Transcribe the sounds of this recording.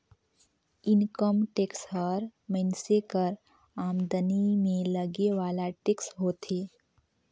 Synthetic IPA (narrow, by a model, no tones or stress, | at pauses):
ɪnkəmʈeːksɦəɾmənsekəɾ | aːmd̪ənimẽləɡeʋaːlaʈeːksɦoːt̪eː